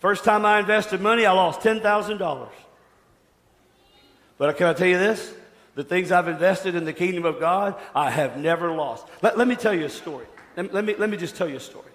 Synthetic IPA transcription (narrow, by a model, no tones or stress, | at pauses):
fɜ˞stʰãɪ̃maɪɨ̃ɱvɛstɨd̚mʌñiaɪlɔstʰɛ̃nθaʊzɨ̃ndɔ̰lˠə̰˞z̥ | b̥ʌɾaɪkʰænɑtʰɛlˠjɨðɪs | ðɨθɪ̃ŋzaɪvɨ̃ɱvɛstɨɾɨ̃nðɨkʰɪ̃ŋdɨ̃mʌvɡɑɾaɪɨvnɛvə˞lɔst̚lɛtʔˡlɛt̚mitʰɛlˠjɨɨstɔɹilɛlɛt̚milɛt̚mid͡ʒʌstʰɛlˠjɨɨstɔ̰ɹi